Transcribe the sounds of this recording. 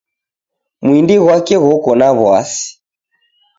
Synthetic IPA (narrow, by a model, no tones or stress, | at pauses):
mwindiɣwakɛɣɔkɔnaβwa̰si̥